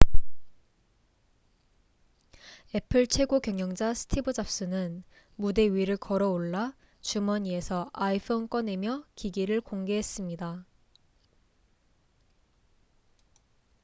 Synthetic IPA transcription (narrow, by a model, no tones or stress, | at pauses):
e̞pʰɯɭt͡ɕʰwe̞ɡokjʌŋjʌŋd͡ʑasʰɯ̥tʰibɯd͡ʑap̚s͈ɯnɯn | mude̞ɥiɾɯɭkʌɾʌoɭːa | t͡ɕumʌɲie̞sʰʌaipʰonk͈ʌne̞mjʌkiɡiɾɯɭkoŋɡe̞ɦes͈ɯmɲida